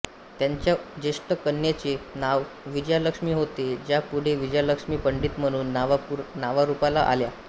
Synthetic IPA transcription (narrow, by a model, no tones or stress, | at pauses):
t̪jaɲt͡ɕjad͡ʑeʂʈəkənːjat͡ɕenaʋ | ʋid͡ʑəjaləkʂmiːɦot̪ed͡ʑjapuɽ̤eʋid͡ʑjaləkʂmiːpəɳɖiːt̪m̤əɽ̃uːnːʋnaʋaɾupalaʔa̰lja